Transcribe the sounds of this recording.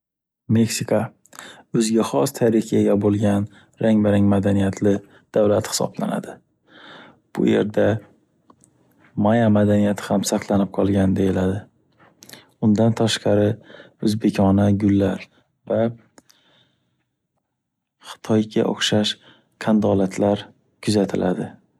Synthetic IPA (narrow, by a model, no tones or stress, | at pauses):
me̞ksikʰa | ɵzɡʲaχɒst̪ʰaɾɪχaɡʲabolˠɡʲan | ɾaŋbaɾɪŋmad̪anijat̪ʰlɪ | d̪̥awlat̪hɪ̥sɒ̰bla̰na̰d̪ɪ | b̥ʊ̰je̞̰ɾd̪a | majamad̪anijat̪ʰɪ̥hamsaqlˠanɪp̚qʰɒlˠɡʲand̪e̞jɪlad̪ɪ | ʊnd̪ant̪ʰaʃqɑɾɪ | ɵzbe̞kʲʰɒnaɡʲʊlːaɾ | va | χɨ̥t̪ʰɒjɡʲa̰ʔo̰χʃaʃ | kʰand̪ɒlat̪ʰlaɾ | kʰʊzat̪ʰɪlʔad̪ɪ